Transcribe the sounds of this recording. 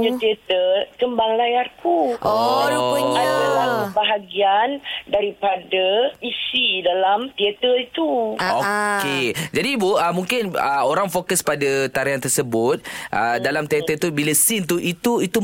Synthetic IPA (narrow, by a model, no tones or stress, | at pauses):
ɲət̪iet̪əkəmbaŋlajarkuʔo | aalaəbaɦaɡiandaɾipadaisidalamt̪iət̪əit̪uoked͡ʒadibuəmũŋkɪnəoɾaŋfokəspadat̪aɾiɦant̪ərsəbʊt̪̚ʔədalamt̪iaət̪ubiləsɪnt̪uʔit̪uit̪u